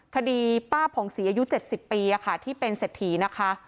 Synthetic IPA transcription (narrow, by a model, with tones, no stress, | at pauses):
kʰa˧diː˧paː˥˩pʰɔː˩˦ŋsiː˩˦ʔaː˧ju˦˥t͡ɕe˨˩t̪̚si˨˩pːiː˧ʔa˨˩kʰa˥˩t̪ʰiː˥˩pe˧nse˨˩t̪ʰːiː˩˦na˦˥kʰa˦˥ʔ